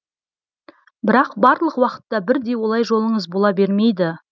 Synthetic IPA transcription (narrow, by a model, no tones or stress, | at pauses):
bɪɾɑqbɑɾlˠəqwɑqə̥t̪ːɑbɪɾd̪e̞wo̞lˠɑjʒo̞lˠəɴəzbo̞lˠɑbe̞ɾme̞jd̪ɪ